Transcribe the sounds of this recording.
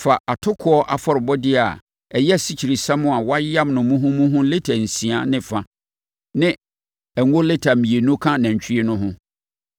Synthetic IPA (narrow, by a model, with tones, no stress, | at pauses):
fa˨ʔa˨tʰʊ˦kʰʊ˦ɔ˦ʔa˨fɔ˦ɾɪ˨bɔ˦dɪ˦a˨ | ɛ˨jɛ˦˨si˨t͡ɕʰi˨ɾi˨sã˦mʊ̃˦˨a˨wa˦ã˦mnʊ̃˨mũ˦ɦʊ̃˦mũ˦ɦʊ̃˦le˦tʰa˨n̩˨sĩ˨a˦nɪ̃˦fã˦ | nɪ̃˦ | ɛ˨ŋo˦le˦tʰa˨mĩ˨e˨nũ˦kʰã˦nã˨ɲ̩˨t͡ɕᶣi˦e˦nʊ̃˦ɦʊ̃˦